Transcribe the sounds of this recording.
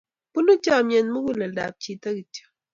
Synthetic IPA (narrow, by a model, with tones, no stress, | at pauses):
pu˦nu˦tɔ˦˨mje˨nmɨ˦ɡu˦le˨da̰˨p̚t͡ʃi˦tə˦ki˨tə̥˨